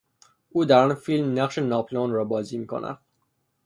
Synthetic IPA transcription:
uːd̪æɾɒːnfilmnæχʃenɒːpʰlonɾɒːbɒːziːmiːkʰo̰nʔæ̰d̪̥

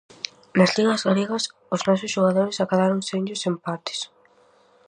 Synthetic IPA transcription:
nɐzliŋɐzɣaleɣɐs | ʊznɔsʊsʃoɣ̞aðoɾɪsakaðaɾoŋseɲʎʊsempat̪ɪ̥s

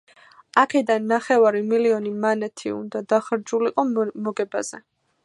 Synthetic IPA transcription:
akʰɛd̪anːaχɛvaɾimiliɔnimanɛt̪ʰḭṵnd̪ad̪aχɾd͡ʒuliqʼɔmɔɡɛba̰z̥ɛ̰

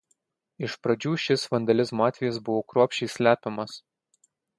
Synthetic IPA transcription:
ɪʃpɾɐd͡ʒʲuːʃʲɪsʋɐnd̪ɐlʲɪsmoɑːt̪ʲʋʲɛjɛsbʊʋoːkɾuːpʲʃʲɛɪsʲlʲæːpʲɛmɐs

